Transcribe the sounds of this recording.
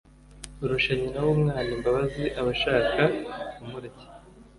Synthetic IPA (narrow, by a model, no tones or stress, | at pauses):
uɾuʃaɲinawumŋaːnimbaβaziʔaβaʃaːkaumuɾaci̥